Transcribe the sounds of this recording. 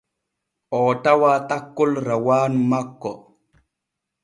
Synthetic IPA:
ʔɔːtawaːtakːɔlɾawaːnmakːɔ

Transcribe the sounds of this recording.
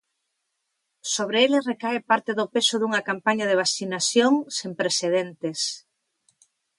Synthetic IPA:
soβ̞ɾeelesrekaepaɾt̪eðʊpesʊðuŋɐkampaɲɐðeβ̞asinasjoŋsempɾeseðent̪es

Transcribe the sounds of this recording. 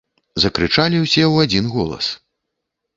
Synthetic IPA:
zɐkɾɨt͡ʂalʲiwsʲɛwad͡zʲinɣɔlˠɐ̰s

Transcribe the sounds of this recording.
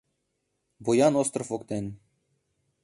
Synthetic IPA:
bujɑnost̪rofokt̪ʲenʲ

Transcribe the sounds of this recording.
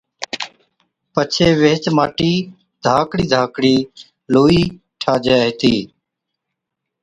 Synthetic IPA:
pət͡ʃʰeːʋeːt͡ʃmaːʈiː | d̪ʱaːkɽiːd̪ʱaːkɽiː | loːiː | ʈʰaːd͡ʒeːɦt̪iː

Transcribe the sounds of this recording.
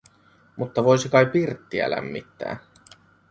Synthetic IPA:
mut̪ːɑʋo̞jsikɑjpirt̪ːiæ̰læ̰mːḭt̪ːæ̰ː

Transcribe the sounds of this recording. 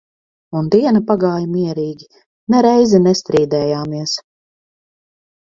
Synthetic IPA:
und̪iɛnapaɡaːjmiɛɾiːɡʲi | nɛɾɛjzɛnɛst̪ɾiːd̪ɛːjaːmiɛs

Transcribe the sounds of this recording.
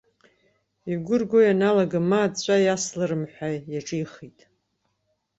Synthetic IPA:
iɡʷʊrɡʷojanalaɡamat͡ɕʷʼajaslɨrɨmħʷajaʈ͡ʂʼiiχitʼ

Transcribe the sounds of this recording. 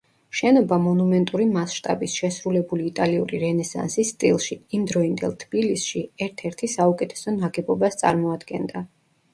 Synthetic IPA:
ʃɛnɔbamɔnumɛnt̪ʼuɾimasʃt̪ʼa̰bisʃɛsɾulɛbuliːt̪ʼaliuɾiɾɛnɛsa̰nsisːt̪ʼilˠʃiːmd̪ɾɔind̪ɛ̰lˠt̪ʰbilisʃiɛɾt̪ʰɛɾt̪ʰisaukʼɛt̪ʰɛ̥sɔnaɡɛbɔbast̪sʼa̰ɾmɔad̪ɡɛnd̪a

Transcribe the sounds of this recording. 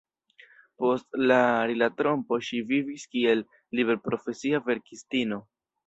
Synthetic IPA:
po̞stlaɾilatɾo̞mpo̞ʃiviviskie̞lː | iβe̞ɾpɾo̞fe̞siave̞ɾkistino̞

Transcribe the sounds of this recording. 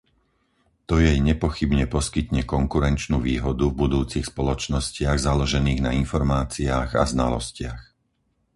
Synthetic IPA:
t̪ɔjɛjɲɛpɔxibɲɛpɔskit̪ɲɛkɔŋkuɾɛnt͡ʃnuːʋiːɦɔd̪uvbud̪uːt͡sixspɔlɔt͡ʃnɔscɪaɣzalɔʒɛniːɣnainfɔɾmaːt͡siaːɣa̰zna̰lɔ̰scɪax

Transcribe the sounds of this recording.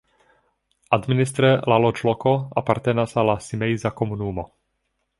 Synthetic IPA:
ʔad̪minist̪ɾɛlalɔt͡ʃlɔkɔa̰paɾt̪ɛnasalasimɛjzakɔmunuːmɔ

